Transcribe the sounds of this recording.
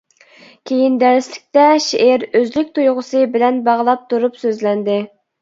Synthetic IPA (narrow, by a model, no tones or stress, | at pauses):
kʲʰejind̪ɛlɪslɪk̚ʲt̪ɛʃeʔeɾøzlykʲt̪ʰujʁʊsɨbɪlɛnbɑʁlˠɑp̚t̪ʰuɾupsøzlɛnd̪ɪ